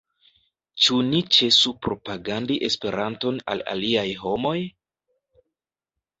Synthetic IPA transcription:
t͡ʃunit͡ʃe̞supɾo̞paɡandiʔe̞spe̞ɾanto̞na̰la̰liajɦo̞mo̞j

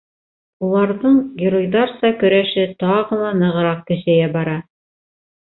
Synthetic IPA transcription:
ulˠɑɾðɤɴɡʲɪɾojd̪ɑɾsɑkɵ̆ɾæʃɘt̪ɑʁɤ̆lˠɑnɤ̆ʁɤ̆ɾɑq̚kɘ̆ʃæjæbɑɾɑ

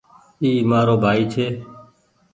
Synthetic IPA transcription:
iːmaːɾoːbʱaːiːt͡ʃʰeː

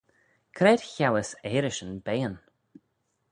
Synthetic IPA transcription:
kʰɾɛːd̥çawəseɾɪʃənbeːən

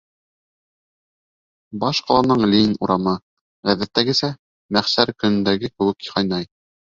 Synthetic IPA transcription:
bɑʃqɑlˠɑnɤɴlinuɾʔɑmɤ | ʁæðæt̪ːæɡɘ̆sæ | mæχsæɾkɵ̆nɘ̆nd̪æɡɘkɘ̆wɘ̆khɑjnɑj

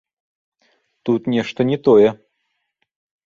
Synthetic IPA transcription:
t̪ut̪nʲɛʂt̪ɐnʲɛt̪ɔjɛ

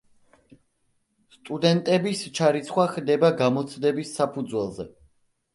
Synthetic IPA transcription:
st̪ʼud̪ɛnt̪ʼɛbist͡ʃʰaɾit̪sʰχwaχd̪ɛbaɡamɔt̪sʰd̪ɛbisːapʰud̪zwɛlˠzɛ

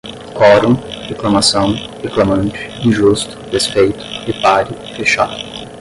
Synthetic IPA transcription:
kɔɾũheklɐmasɐ̃w̃ | heklamɐ̃nt͡ʃɪ̥ĩʒust̪ʊ̥despejt̪ʊ̥ɪpaɾɪ | feʃa̰d̪ʊ

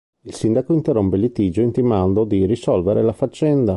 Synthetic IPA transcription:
ilsind̪akoint̪erːompelit̪id͡ʒoint̪imand̪od̪irisɔlveɾelafat͡ʃːɛnd̪a

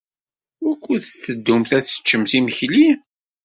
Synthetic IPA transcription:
ækʷːuθθt͡sːəd̪ːumθæθə̥t͡ʃːəmθiməçli

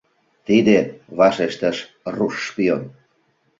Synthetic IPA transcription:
t̪id̪eβɑʃeʃt̪əʃ | ruʃːpion

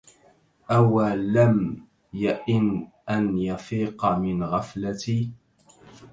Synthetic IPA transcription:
ʔawalam | jaʔɪnʔanjɑfiːqmɪnɣaflat̪iː

